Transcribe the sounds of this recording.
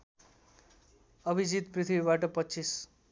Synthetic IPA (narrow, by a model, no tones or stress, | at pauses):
ʌbʱid͡zit̪prit̪ʰibibaʈʌpʌːt͡sis